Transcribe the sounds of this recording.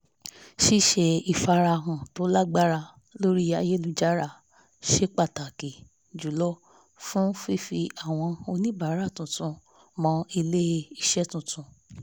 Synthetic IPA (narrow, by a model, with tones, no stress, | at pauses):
ʃi˦˨ʃe˧i˨fa˧ɾa˧˨ɦã˨to˨˦la˦ɡ͡ba˦ɾa˧ | lo˦ɾi˦ja˧˦je˦lũ˨˦d͡ʒa˦ɾa˦˨ | ʃe˦k͡pa˦˨ta˨ke˨ | d͡ʒu˨˦lɔ˦ | fũ˦fi˦fi˧a˦˨w̃ɔ̃˧o˧nĩ˦ba˨˦ɾa˦˨tũ˨tũ˧ | mɔ̃˧i˧le˦i˧ʃɛ˦tũ˨tʰũ˧